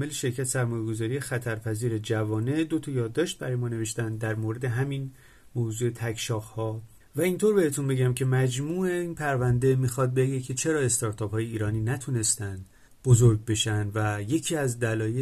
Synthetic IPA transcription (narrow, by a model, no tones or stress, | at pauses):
meleʃe̞ɾcʰæt̪ʰesæɾmɒːje̞ɡo̞zɒːɾijexæt̪ʰæɾpʰæziːɾe̞d͡ʒævɒːne̞d̪o̞t̪ʰɒjɒːd̪ːɒːʃt̪̚bæɾɒjeɒːne̞ve̞ʃt̪ænd̪d̪æɾmoɾe̞d̪e̞ɦæmin | moːzuːe̞t̪ʰækʰʃɒːɣhɒː | væint̪ʰo̞ɾbe̞he̞t̪ʰunbe̞ɟæmcʰe̞mæd͡ʒmuːeinpʰæɾvænd̪e̞mixɒd̪̚beɟecʰe̞t͡ʃʰe̞ɾɒːe̞st̪ɒɾt̪ʰɒːphɒːjeiːɾɒːniːnæt̪ʰune̞st̪ænd̪̥ | b̥o̞zoɾɡ̚be̞ʃænd̪væje̞cʰiːæzd̪ælɒːje